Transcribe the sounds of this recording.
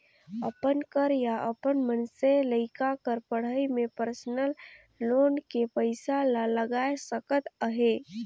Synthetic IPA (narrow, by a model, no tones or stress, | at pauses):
əpənkəɾjaʔəpənmənseləɪkakəɾpəɽ̤əjmepəɾsənəlː | onkepəɪsalaləɡaesəkət̪əɦe